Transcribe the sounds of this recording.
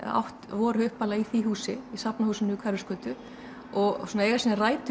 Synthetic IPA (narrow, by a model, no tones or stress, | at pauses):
a̰wht̪vɔːɾhœɥhpalaiθiːɦuːsɪisapnahuːsɪnːʏkʰvaɾʏskœːt̪ʏ | ɔɣsɔːnaɛjɾasiːnaraːjt̪ʏ